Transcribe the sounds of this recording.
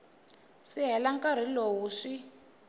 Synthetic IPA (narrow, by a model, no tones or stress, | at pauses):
siɦɛlaŋkaɾ̤ilowuʂi